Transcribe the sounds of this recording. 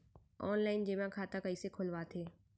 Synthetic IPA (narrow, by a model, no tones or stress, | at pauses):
ɔːnlaːɪnd͡ʒɪʋãkʰaːt̪akəisekʰʊlʋat̪ʰeː